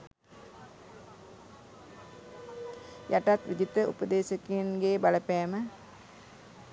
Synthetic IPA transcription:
jaʈat̪ʋid̪it̪əṵpəd̪eːsəkinɡeːbaləpɛːmə

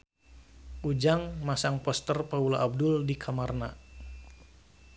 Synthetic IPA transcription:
ʔud͡ʒaŋmasaŋpɔst̪ərpaulaʔːb̚dʊldikʰamarna̰

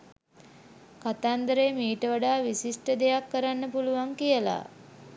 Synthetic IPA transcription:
kat̪and̪əɾejmiːʈəʋaɖaːʋisisʈəd̪ejakːəɾanːəpuluʋaŋkijəla̰

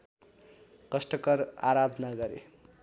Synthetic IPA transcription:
kʌsʈʌkʌraɾad̪ʱʌnaɡʌɾḛ

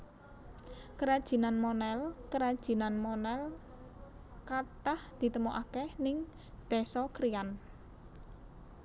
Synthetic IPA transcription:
kəɾad̥ʒ̥i̤nanmɔnɛlkəɾad̥ʒ̥i̤nanmɔnɛl | kat̪ahd̪̥i̤t̪əmoʔakɛhnɪŋ | d̪̥e̤sɔkɾijan

